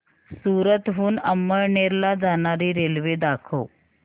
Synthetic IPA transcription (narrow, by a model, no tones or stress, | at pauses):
suːɾət̪ɦuːnəmːəɭɳeɾlad͡zaɳ̃aɾiːɾelʋed̪akʰo